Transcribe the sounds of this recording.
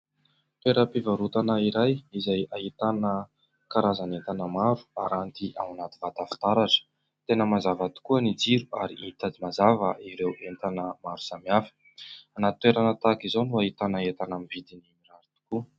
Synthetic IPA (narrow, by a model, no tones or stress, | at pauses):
t̪weɾəpivaɾut̪anəiɾajizajaɦit̪anə | kaɾazanent̪anəmaɾu̥aɾant̪iʔa̰wanat̪ivat̪afi̥t̪aɾaʈ͡ʂə̥ | t̪enəmazavat̪u̥kuənid͡ziɾuaɾiʔit̪ad̪imazavəʔiɾewʔent̪anəmaɾu̥samiafə̥ | anat̪it̪weɾanət̪akizonuaɦit̪anəet̪anamivid̪inimiɾaɾit̪u̥ku